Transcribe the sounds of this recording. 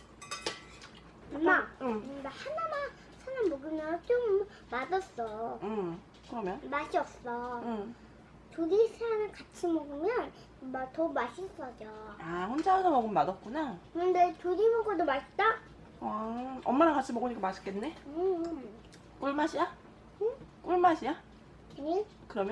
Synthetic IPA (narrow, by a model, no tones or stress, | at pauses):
ʌmammahanama | sʰananmoɡɯmjʌt͡ɕ͈oŋɯm | madʌs͈ʌɯm | kɯɾʌmjʌnmaɕʰiʌp̚s͈ʌɯm | tuɾisʰeŋɯɭkat͡ɕʰimʌɡɯmjʌn | matʌmaɕʰis͈ʌd͡ʑoaɸond͡ʑʰaadamʌɡɯmːadʌt̚k͈unakɯndetuɾimoɡodomaɭt͈a | ʌʌmːanakat͡ɕʰimʌɡuɲik͈amaɕʰi̥k͈enːe̞ɯ | k͈uɭmaɕʰija | ɯk͈uɭmaɕʰija | ɯɲi | kɯɾʌmjʌ